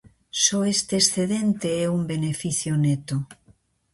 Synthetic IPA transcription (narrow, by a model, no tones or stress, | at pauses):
soest̪eːsθeðent̪eɛumbenefiθjonet̪o